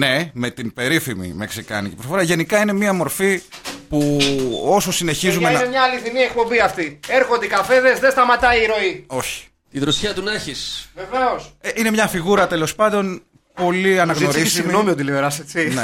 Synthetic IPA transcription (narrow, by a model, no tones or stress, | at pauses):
ne̞me̞t̪inbe̞ɾifimḭmeksikɐ̰nicepɾoffoɾɐʝe̞nikɐine̞miɐmo̞ɾfipuo̞so̞sine̞çizumennemɲɐːliθinie̞k̚po̞mbiɐft̪ieɾxond̪eikɐfe̞ðeszðest̪ɐmɐt̪ɐiːɾo̞io̞çi̥ | t̪iðɾosçɐt̪unɐçisveve̞oseine̞mɲɐfiɣuɾɐt̪e̞lo̞spɐnd̪o̞n | po̞liɐnɐɣnno̞sɾissimɣnomiot̪ilioɾɐset͡sine